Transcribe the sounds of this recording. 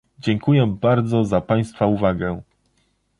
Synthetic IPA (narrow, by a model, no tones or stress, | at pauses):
d͡ʑɛŋkujɛbaɾd̪zɔzapaj̃st̪fauvaɡɛ